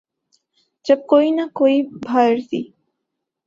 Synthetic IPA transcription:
d͡ʒəb̚koinakoibʱajɾt̪ḭ

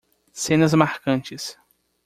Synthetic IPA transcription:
sẽnɐzmaɾkɐ̃nt͡ʃɪs

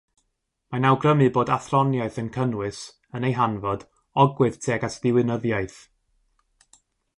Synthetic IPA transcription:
manawɡrəmɨboːdaθrɔnjaɨθənkʰənwɨs | ənejɦanvɔd̥ | ɔɡwɨð̥tʰeːɡasðɪwɪnəðjaɨθ

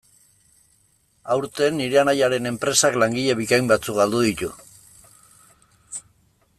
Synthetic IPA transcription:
awɾt̪e̞nːiɾe̞anajaɾe̞ne̞mpɾe̞saklaŋɡiʎeβikajmbat͡sukɡald̪uðit̪u

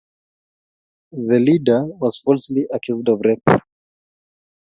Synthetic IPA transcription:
ðəlidə˞wɔz̥fɔlˠsliʔəkʰjuzdɔvɹɛp

